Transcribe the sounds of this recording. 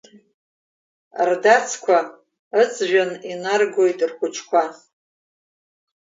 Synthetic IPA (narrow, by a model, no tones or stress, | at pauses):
rdat͡sʰkʷʰa | ɨt͡sʼʰʒᶣaninarɡo̞jtʼrχʷʊt͡ʃʰkʷʰa